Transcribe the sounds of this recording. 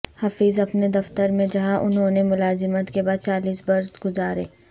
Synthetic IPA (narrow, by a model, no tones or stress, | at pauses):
hafiːzɐpned̪ɐft̪əɾmẽd͡ʒɐɦãʔʊ̰nɦõnemʊlaːzɪmət̪kebaːd̪̚t͡ʃaːliːsbɐɾsɡʊzaːɾeː